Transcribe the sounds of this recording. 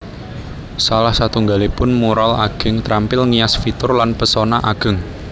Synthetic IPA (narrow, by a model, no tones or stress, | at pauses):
salahsat̪uŋɡalepʊnmuɾalaɡ̥ə̤ŋt̪ɾampɪlŋiasfit̪ʊrlanpəsonaʔaɡ̥ə̤ŋ